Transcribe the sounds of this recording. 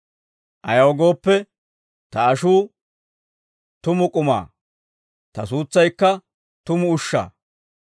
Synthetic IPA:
ʔɐjɐwɔɡo̞ːpːɛ | t̪ɐːʃuː | t̪ʊmʊkʼʊma̰ː | t̪ɐsuːt͡sːɐjkːɐ | t̪ʊmʊʊʃːa̰ː

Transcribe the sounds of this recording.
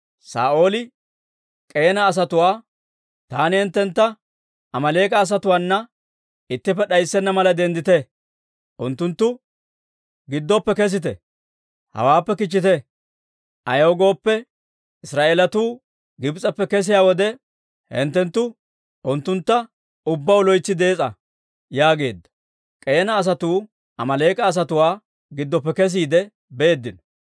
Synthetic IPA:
sa̰ːʔo̞ːlɪ | kʼeːnɐːs̬ɐt̪ʊwaː | t̪aːnɪhɛnt̪ːɛnt̪ːɐ | ʔɐmɐle̞ːkʼɐːs̬ɐt̪ʊwaːnːɐ | ɪt̪ːɪpːɛɗɐjsːɛnːɐmɐlɐd̪ɛnd̪ɪt̪ɛ | ʔʊnt̪ːʊnt̪ːʊ | ɡɪd̪ːɔpːɛkɛs̬ɪt̪̬ɛ̰ | hɐ̰waːpːɛkɪt͡ʃːɪt̪ɛ | ʔɐjoːɡo̞ːpːɛ | ɪsɾaːʔeːlɐt̪uː | ɡɪbt͡sʼɐpːɛkɛs̬ɪjaːwɔd̪ɛ | hɛ̰nt̪ːɛnt̪ːʊ | ʔʊnt̪ːʊnt̪ːɐ | ʊbːɐwlɔjt͡sːɪd̪e̞ːt͡sʼɐ | jaːɡe̞ːd̪ːɐ̥ | kʼe̞ːnɐːs̬ɐt̪uː | ɐmɐle̞ːkʼɐːs̬ɐt̪ʊwaː | ɡɪd̪ːɔpːɛkɛs̬iːd̪ɛ | beeːd̪ːɪn

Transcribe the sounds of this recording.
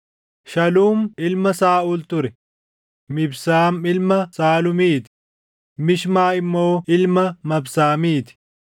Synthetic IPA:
ʃɐluːmɪlmɐsaːʊlt̪ʊɾɛ | mɪbsaːmɪlmɐsaːlʊmiːt̪ɪ̥ | mɪʃmaːɪmːo̞ːɪlmɐmɐbsaːmiːt̪ɪ̥

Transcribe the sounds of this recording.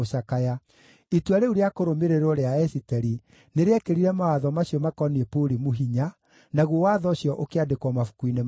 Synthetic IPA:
oʃakaja | itwaɾeuɾeakoɾomeɾeɾɔɾeaɛsitɛɾi | neɾeɛkeɾiɾɛmawaðɔmasɕiɔmakɔniepoɾimuɦiɲa | naɣwowaðɔɕjɔʔokeadekɔmafu̥kwinem

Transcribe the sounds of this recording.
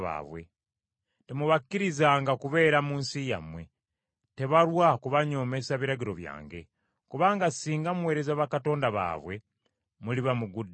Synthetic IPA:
βa̰ːβwe̞̰ | temuβakːiɾizaːŋɡakuβe̞ːɾamuːnsija̰mwe̞ | te̞βalwakuβaɲo̞ːme̞saβiɾaɟiɾo̞̰βja̰ːŋɡe̞̰ | kuβaːŋɡasiːŋɡamuwe̞ːɾe̞zaβakato̞ːndaβa̰ːβwe̞ | muliβamuɡud

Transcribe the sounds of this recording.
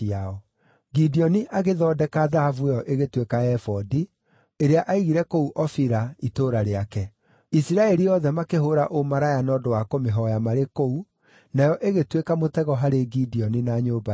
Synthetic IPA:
iaɔ | ɡidiɔniʔaɣeðɔːdɛkaðahavuejɔʔeɣetwekaɛfɔdi | eɾeaʔaiɣiɾɛkouʔɔfiɾaitoɾaɾeakɛ | isiɾaɛɾiɔðɛmakeɦoɾaʔomaɾajanɔːdowakomeɦɔjamaɾekou | najɔʔeɣetwekamotɛɣɔɦaɾeɡidiɔninaɲoba

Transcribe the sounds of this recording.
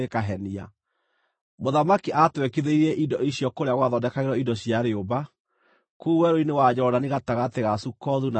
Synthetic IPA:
ekaɦɛnia̰ | moðamakiʔatwɛkeðeiɾɛʔidɔʔiɕjɔkoɾeaɣwaðɔdɛkaɣeɾɔidɔɕjaɾeoba | kuwɛɾoinewad͡ʑɔdaneɣataɣateɣasukɔðuna

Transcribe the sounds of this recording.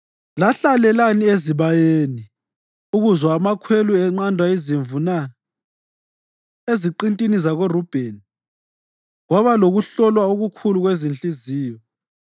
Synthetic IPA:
laɬalɛlanieziβajeːni | uɣuzwaːmakʰweluɛŋ͡ǃandʱwaiziɱvuna | eziǃintʼinizaɣorub̥ʱeni | ɣwaβaloɣuɬɔlwaoɣukʰuluɣwezint͡ɬʼiziːjɔ

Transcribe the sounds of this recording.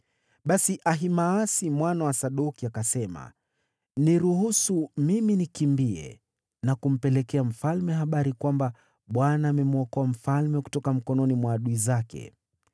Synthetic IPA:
ɓasiʔaɦimaasimwanawasaɗukiakasɛma̰ | niɾuhusumiminikimbiɛ̰ | nakum̩pɛlɛkɛam̩falmɛɦaɓaɾikwamba | ɓwanaːmɛmuɔkɔam̩falmɛku̥tɔkam̩kɔnɔnimwaːɗuizakɛ̰

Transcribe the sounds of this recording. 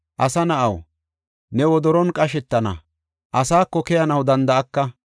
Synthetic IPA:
ʔɐsɐnɐʔɐw | nɛwɔd̪ɔɾɔnkʼɐʃɛt̪ːɐnɐ̰ | ʔɐsaːkːɔkɛjɐnɐwd̪ɐnd̪ɐʔɐkːɐ

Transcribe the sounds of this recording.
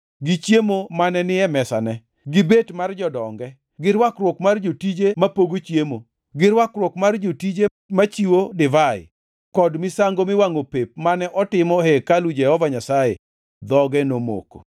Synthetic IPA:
ɡɪt͡ʃjemomanɛnɪɛmɛsanɛ | ɡɪbetmard͡ʒɔdɔŋɡɛ | ɡɪɾwakrwokmard͡ʒotid͡ʒemapoɡot͡ʃjemo | ɡɪrwakrwokmard͡ʒotid͡ʒe | mat͡ʃiwodɪvaɪ̰ | kɔdmɪsaŋɡomɪwaŋopep̚manɛʔɔtɪmɔhekalud͡ʒɛhɔvaɲasajḛ | d̪ɔɡɛnomo̰ko̥̰

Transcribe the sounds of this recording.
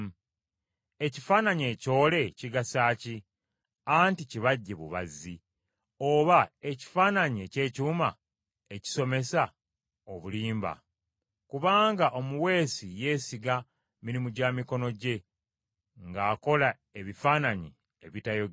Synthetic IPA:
e̞cifaːnaɲe̞co̞ːle̞ciɡasaːci | anticiβaɟːe̞βṵβa̰zːi | o̞βae̞ci̥faːnaɲie̞ce̞ːcuːma | e̞ci̥so̞me̞sa | oβuliːmba̰ | kuβaːŋɡaʔo̞muwe̞ːsije̞ːsiɡa | miɾimuɟamiko̞no̞ɟe̞ | ŋɡaːko̞la | e̞βifaːnaɲi | eβitajo

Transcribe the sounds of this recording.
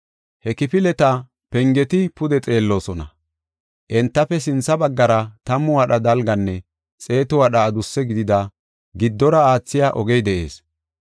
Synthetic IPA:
hɛkɪpɪlɛt̪ɐ | pɛŋɡɛt̪ɪpʊd̪ɛt͡sʼe̞ːlːo̞ːsɔnɐ̰ | ʔɛnt̪ːɐfɛs̬ɪnsɐbɐɡːɐɾɐt̪ɐmːʊwɐɗɐd̪ɐlɡɐnːɛ | t͡sʼe̞ːt̪ʊwaɗɐːd̪ʊsːɛɡɪd̪ɪd̪ɐ | ɡɪd̪ːɔɾɐaːt͡sːɪjaːʔɔɡɛjd̪ɛʔe̞̰ːs

